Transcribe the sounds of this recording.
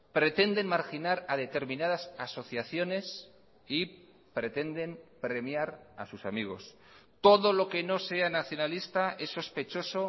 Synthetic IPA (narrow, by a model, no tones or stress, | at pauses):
pɾe̞t̪e̞nd̪e̞nmaɾxinaɾað̞e̞t̪e̞ɾmĩnað̞asaso̞θjaθjo̞ne̞s | i | pɾe̞t̪e̞nd̪e̞mpɾe̞mjaɾa̰susamiɣ̞o̞̰s | t̪o̞ðo̞lo̞ke̞no̞se̞anaθjo̞nalist̪ae̞sːo̞spe̞t͡ʃo̞so̞